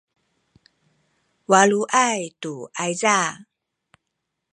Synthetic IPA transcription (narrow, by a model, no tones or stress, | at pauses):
waɭuʔajtuʔajza